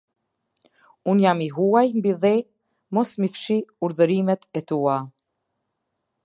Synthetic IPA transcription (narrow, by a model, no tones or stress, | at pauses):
unjamiɦuajmbiðɛ | mɔsmifʃiuɾðəɾimɛt̪ɛt̪ua